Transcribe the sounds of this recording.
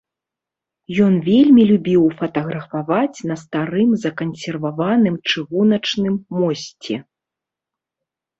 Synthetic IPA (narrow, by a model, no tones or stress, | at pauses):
jɔnvʲelʲmʲilʲubʲiwfɐt̪ɐɣɾɐfavat͡sʲnɐst̪aɾɨmzɐkɐnsʲɛrvavanɨmt͡ʂɨɣunɐt͡ʂnɨmːɔsʲt͡sʲɛ